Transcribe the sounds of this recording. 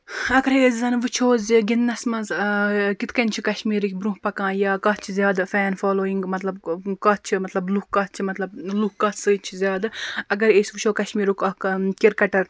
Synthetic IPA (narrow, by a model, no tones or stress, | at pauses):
ɐkɐɾeːzzɐnʋɨt͡ʃʰoːziɡinːɐsmɐzkit̪ʰkɐnʲt͡ʃʰikɐʃmiːɾikʲbɾũɦpɐkãːjaːkɐːtt͡ʃʰizjaːd̪fɛːnfaːloːiŋɡmɐt̪lɐbkaːt͡ʃʰimɐt̪lɐblukkːɐːt̪̚t͡ʃʰimɐt̪lɐblukkɐːsɨt͡ʃʰizʲjaːd̪ɐɡɐɾeːsʋut͡ʃʰoːkɐʃmiːɾukɐkiɾkɐʈɐɾ